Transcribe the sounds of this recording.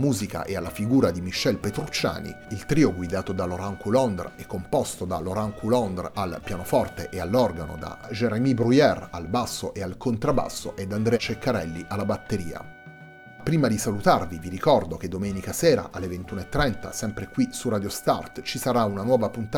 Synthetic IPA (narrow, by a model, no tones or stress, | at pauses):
muːzika̰ʔealːafiɡuːɾad̪imiʃːɛlpet̪ɾut͡ʃːa̰ːnḭilt̪ɾiːoɡwid̪aːt̪od̪aloɾaŋkulɔnd̪rɛkːompɔst̪od̪aloɾaŋkʰulɔnd̪ralpjaːnofɔrt̪eʔealːɔrɡano̰d̪a̰d͡ʒeɾemibɾujɛralbasːoʔealkʰont̪ɾaba̰sːo̰ʔɛd̪ːand̪ɾɛt͡ʃekːaɾɛlːiʔalːabat̪ːeɾiːa̰ | pɾiːmad̪isalut̪arviviɾikɔrd̪ok̟ed̪omɛːnikasɛːɾa̰ʔalːevent̪uːnoet̪ːɾɛnt̪a̰sɛmpɾekwisurad̪jost̪a̰rt̪t͡ʃisaɾaunanwɔːvapunt̪a